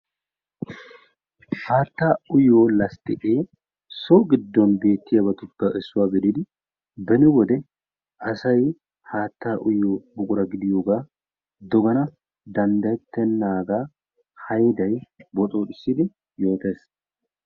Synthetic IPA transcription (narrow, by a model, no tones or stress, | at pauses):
haːt̪ːaːʊjːoːlɐst̪ɪkʼeː | soːɡɪd̪ːɔnbe̞ːt̪ːɪjɐbɐt̪ʊbːɐʔɛsːʊwaːɡɪd̪ɪd̪ɪ | bɛnɪwɔd̪ɛ | ʔɐsɐj | haːt̪ːaːʔʊjːoːbʊkʼʊɾɐɡɪd̪ɪjoːɡaː | d̪ɔɡɐnɐ | d̪ɐnd̪ɐɛt̪ːɛnːaːɡaː | hɐjd̪ɐjbɔt̪ʼo̞ːᶑɪsːɪd̪ɪ | jo̞ːt̪eːs